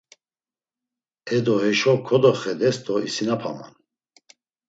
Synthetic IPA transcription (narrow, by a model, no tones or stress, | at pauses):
ɛd̪ɔɦɛʃɔkʰɔd̪ɔχɛd̪ɛst̪ʼɔisinapʰa̰ma̰n